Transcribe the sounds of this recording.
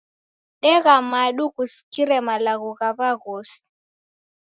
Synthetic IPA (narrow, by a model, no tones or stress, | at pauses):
ɗɛɣamaɗuɣusi̥kiɾɛmalaɣuɣaβaɣɔsi̥